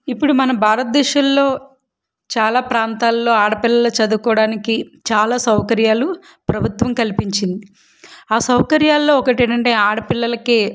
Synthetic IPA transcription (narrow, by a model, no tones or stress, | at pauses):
ipːuɽumɐnɐbʱaːɾɐt̪̚d̪ɛːʃɐlːo̞ː | t͡ʃaːlaːpɾaːnt̪aːlːo̞ːaːɽɐpilːɐlɐt͡ʃɐd̪ukɔːɽaːnikit͡ʃaːlaːsɐwkɐɾjaːlu | pɾɐbʱut̪ʋɐmkɐlipiɲt͡ʃind̪i | aːsɐwkɐɾjaːlːo̞ːɔkɐʈeːɳɐɳʈe̞ːaːɽɐpilːɐlɐkeː